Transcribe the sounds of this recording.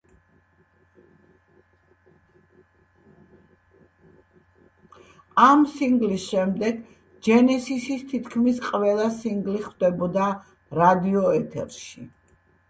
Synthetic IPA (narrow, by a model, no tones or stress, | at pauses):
amsiŋɡlisʃɛmd̪ɛɡ | d͡ʒɛnɛsisist̪ʰit̪ʰkʰmisqʼvɛlˠasiŋɡliχvd̪ɛbɔd̪a | ɾad̪iɔɛt̪ʰɛ̰ɾʃi